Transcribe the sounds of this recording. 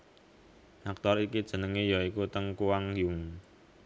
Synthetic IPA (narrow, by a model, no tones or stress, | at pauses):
ʔak̚t̪ɔɾikid̥ʒ̥ə̤nəŋejɔikut̪əŋkuwaŋjʊŋ